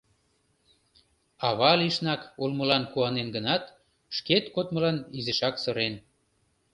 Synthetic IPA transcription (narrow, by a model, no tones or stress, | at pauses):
ɑβɑliʃnɑkulməlɑnkuɑnenɡənɑt̪ | ʃket̪kot̪mə̆lɑnizəʃɑksɤ̆ɾen